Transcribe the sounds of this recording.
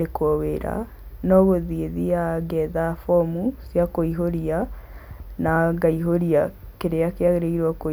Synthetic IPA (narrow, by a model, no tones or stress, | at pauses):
ekwoweɾa̰ | nɔɣoðieðiaɡɛðafɔmusjakoiɦoɾia | naɡaiɦoɾiakeɾeakeaɣeɾeɣiɾwako